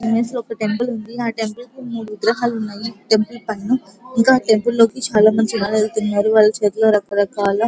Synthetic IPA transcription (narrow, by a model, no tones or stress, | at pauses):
meːslɔkɐʈe̞mpɐlund̪iaːʈempɐlkumuʋid̪ɾɐɦaːlunːaːjiʈempɐlpɐɳːuiŋkaːʈe̞mpɐllo̞ːkit͡ʃaːlaːmɐɲt͡ʃiʋaːɭelt̪unːaːɾuʋaːɭːɐt͡ʃeːt̪loːɾɐkɐɾɐkaːlɐ